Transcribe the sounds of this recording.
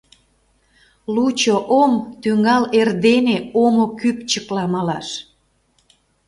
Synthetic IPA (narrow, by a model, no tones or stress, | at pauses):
lut͡ɕoʔomt̪yŋɑlerd̪eneomokypt͡ɕəklɑmɑlɑʃ